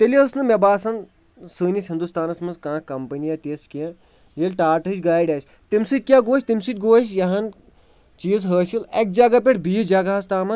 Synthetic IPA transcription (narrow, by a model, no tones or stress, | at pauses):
t̪eliɐsnɨmʲebaːsɐn | sɨːnʲisɦind̪ust̪aːnɐsmɨnskãːkɐmpɐnijɐt̪eːst͡ʃkiɐ̃ | jilʲʈaːʈɨt͡ʃɡaːiɖʲaːt͡ʃʲ | t̪imsɨt̚ʲkʲjaːɡoːʃʲt̪imsɨt̪ʲɡoːʃjɐɦɐn | t͡ʃiːzɦəːʃilek̚d͡ʒɐɡɐp̬ʲeʈbiːd͡ʒɐɡɐɦɐs̬t̪aːmɐ